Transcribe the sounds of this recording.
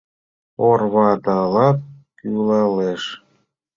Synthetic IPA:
orβɑd̪ɑlɑt̪̚kylɑleʃ

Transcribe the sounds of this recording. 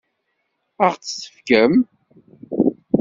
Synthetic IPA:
əʁt͡sːə̥sə̥fkəm

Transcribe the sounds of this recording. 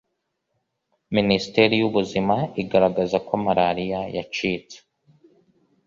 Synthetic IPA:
ministe̞ɾijuβuzimaiɡaɾaɡazakomaɾaɾijaja̰t͡ʃiːt͡se̥

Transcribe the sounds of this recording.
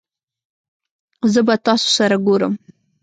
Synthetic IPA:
zəbat̪ɑso̥saɾaɡoɾə̰m

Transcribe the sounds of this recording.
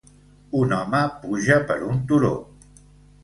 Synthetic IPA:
unɔməpuʒəpə̰ɾunt̪uɾo̰

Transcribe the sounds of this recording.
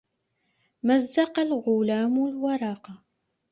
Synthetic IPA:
mazːɑqɑlɣʊlaːmlwɑɾˤɑːqɑ

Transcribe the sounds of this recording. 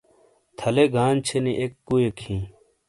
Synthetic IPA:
t̪ʰɐleɡaːnt͡ɕʰeniʔekːuekʰĩː

